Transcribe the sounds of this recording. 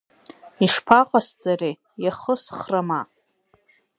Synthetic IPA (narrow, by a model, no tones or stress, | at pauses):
iʂpʰaqʼast͡sʼare | jaχəsχrama